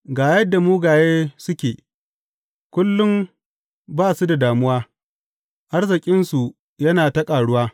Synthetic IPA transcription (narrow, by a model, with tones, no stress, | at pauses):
ɡaː˨jɐ˦dːa˨muː˦ɡaː˨jeː˦sʊ˦kʲeː˨ | kʷʊ˦lːʊ˦m | baː˦˨su˦da˨daː˨mʊ˦waː˦ | ʔa˦rzɪ˨kʲʼɪ˦nsu˨ | jɐ˦naː˨tɐ˦kʼaː˨ɽʊ˦waː˦